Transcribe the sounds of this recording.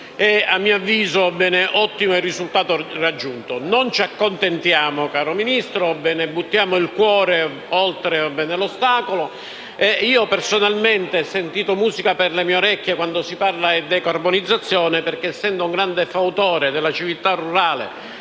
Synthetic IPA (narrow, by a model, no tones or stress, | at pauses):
ɛamːioavːiːzobɛːneʔɔt̪ːimoɛrːizult̪aːt̪orad͡ʒːunt̪onont͡ʃakːont̪ent̪jaːmokaːɾominist̪ɾobɛːnebut̪ːjaːmoilkwɔːɾe | olt̪ɾebɛnelost̪aːkolo | eiːoɔpersonalment̪esent̪iːt̪omuːzikaperlemioɾɛkːjekwand̪osiparlaɛd̪ɛkarbonid̪zːat̪sːjɔːneperkeːsːɛnd̪ouŋɡɾand̪efaut̪ɔːɾed̪elːat͡ʃivilt̪arːuɾaːlḛ